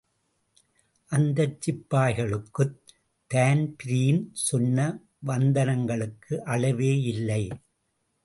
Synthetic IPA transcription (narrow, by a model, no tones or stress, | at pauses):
ʔɐnd̪ɐt͡ʃːɪpːaːɪɣɐɭɯkːɯt̪ː | aːnpɪɾijɪnsʊnːɐ | ʋɐnd̪ɐnɐŋɡɐɭɯkːɯʔɐlɐʋeːɪlːɐɪ